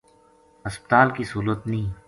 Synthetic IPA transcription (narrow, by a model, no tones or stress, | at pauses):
ɐspət̪aːlkisuːɾət̪nĩː